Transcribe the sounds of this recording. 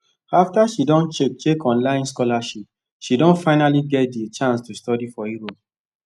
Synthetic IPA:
aftaʃidɔ̃nt͡ʃek̚t͡ʃekɔ̃nlãɪ̃nskɔlaʃip̚ | ʃidõnfaɪnaliɡɛt̚det͡ʃãnstustɔdifɔiɾo

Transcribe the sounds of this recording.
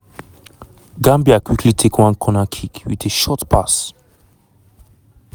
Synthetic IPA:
ɡãmbiakwikʰlitʰekʰwãnkʰɔnakʰikwḭtʰeʃɔtpʰas

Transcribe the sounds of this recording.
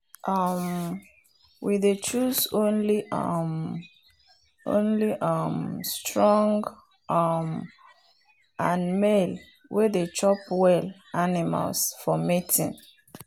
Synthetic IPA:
ʔʌm | widet͡ʃusõnliʌ̰m | ʔõ̰nliʔʌmstɹɔ̃ŋɡ | ʔʌm | ãnmel | wʔedet͡ʃɔpwɛlanima̰lsfɔmitḭ̃n

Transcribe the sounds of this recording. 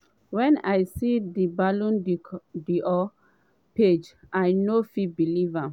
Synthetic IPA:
wɛ̃najsidibalũndiʔɔ | ped͡ʒajnofibiliva

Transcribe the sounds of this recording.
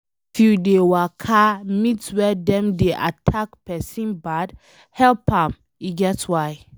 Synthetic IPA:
fjudewakʰamitwɛdɛ̃mdeʔa̰tʰakpɛsĩnbad | hɛlpãm | iɡɛtwaɪ

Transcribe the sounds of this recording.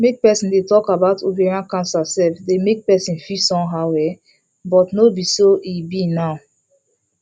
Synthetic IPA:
mek̚pɛsĩndetɔkabaʊtʰovɛɹiãnkãnsasɛlfdemek̚pɛsĩnfisɔ̃mɦawɛ | bɔtnobisoibinaʊ

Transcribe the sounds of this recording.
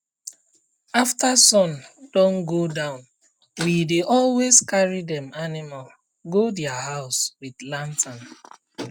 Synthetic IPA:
aftasɔ̃nd̥ɔ̃nɡodãʊ̃n | wideʔɔlweskaɹidɛ̃manimal | ɡodɛaɦaʊswidlãntʰãn

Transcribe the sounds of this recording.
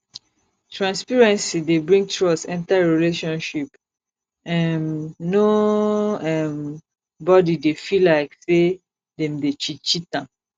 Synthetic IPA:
tʰɹãnspiɹɛ̃nsidebɹĩŋɡ̚tɹɔsɛ̃ntaɹileʃɔ̃nʃip | ɛ̃nːo | ɛm | bɔdidefilaɪkse | dɛ̃mdet͡ʃit͡ʃitãm

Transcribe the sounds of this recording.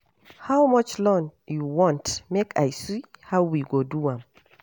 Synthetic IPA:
hawmʌt͡ʃlɔ̃njuwɔ̃ntmekʰa̰jsihawwiɡoduãm

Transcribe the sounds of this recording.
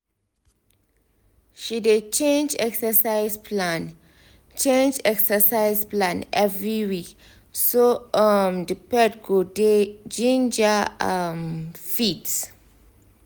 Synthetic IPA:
ʃidet͡ʃẽnd͡ʒɛksəsaɪspʰlãn | t͡ʃẽnd͡ʒɛksəsaɪsplãnɛvɹiwik | soamdipɛdɡoded͡ʒĩnd͡ʒaamfits

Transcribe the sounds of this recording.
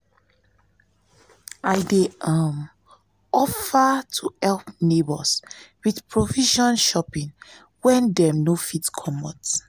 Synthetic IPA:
ajdeãm | ɔfatʰuɛlpnebɔswidpʰɹoviʃɔ̃nʃɔpĩŋ | wɛ̃ndɛmnofitkʰɔmɔt

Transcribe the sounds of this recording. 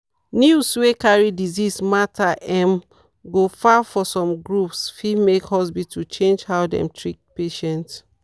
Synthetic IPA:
njuswekaɹidizismatʰaʔɛm | ɡofafɔsɔ̃mɡɹupsfimekhɔs̬bitʰut͡ʃẽnd͡ʒhaʊdɛ̰̃mtʰɹik̚peʃɛ̃nt

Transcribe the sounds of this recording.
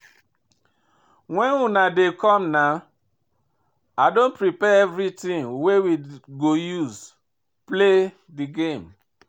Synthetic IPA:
wɛ̃nunadekɔ̃mna | adõnpɹipɛɛvɹitĩŋwewiɡojuz | ple | diɡẽm

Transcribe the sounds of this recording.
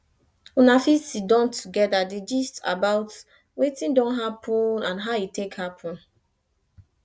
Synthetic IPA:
ũnafisidɔ̃ntʰuɡɛdadid͡ʒista̰baʊt | wetĩndɔ̃nɦapʰɔ̃nãnɦaitekhapʰɔ̃n

